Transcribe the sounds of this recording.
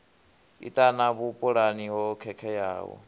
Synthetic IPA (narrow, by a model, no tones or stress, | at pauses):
ḭt̪ʼanaβupʼuɺaniɦɔkʰɛkʰɛja̰ːwɔ̰